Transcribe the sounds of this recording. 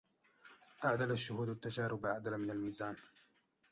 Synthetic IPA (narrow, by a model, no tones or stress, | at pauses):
ʔaʕd̪alaʃːʊhuːd̪at̪ːad͡ʒaːɾʊbʕad̪alamɪnalmiːzaːn